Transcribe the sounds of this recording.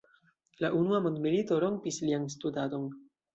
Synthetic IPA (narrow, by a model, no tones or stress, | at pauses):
laʔunuamo̞ndmilito̞ɾo̞mpislianstudado̞n